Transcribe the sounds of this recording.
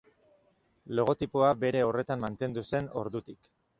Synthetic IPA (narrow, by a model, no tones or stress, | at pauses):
lo̞ɣ̞o̞t̪ipoabe̞ɾe̞o̞re̞t̪ammant̪e̞nd̪use̞no̞̰ɾðut̪ik